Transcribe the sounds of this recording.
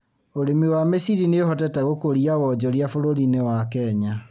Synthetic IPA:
oɾemiwamesiɾineoɦɔtɛtaɣokoɾiawɔd͡ʑɔɾiafoɾoɾinewakɛɲa

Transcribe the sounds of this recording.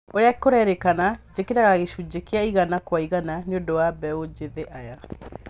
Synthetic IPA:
oɾeakoɾɛɾekanad͡ʑekeɾaɣaaɣeʃud͡ʑekeaiɣanakwaiɣananeondowabɛod͡ʑeðeʔaja

